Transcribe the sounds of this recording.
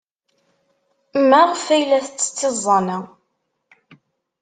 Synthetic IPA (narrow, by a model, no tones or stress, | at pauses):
mːæʁfæjlæθət͡sːə̥t͡sːɪzˤːɑnæ